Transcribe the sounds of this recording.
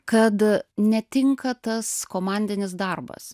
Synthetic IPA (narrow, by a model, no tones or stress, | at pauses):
kɐt̪nʲɛt̪ʲɪŋkɐt̪ɐskoːmɑnʲd̪ʲɪnʲɪs̬d̪ɐrbɐ̰s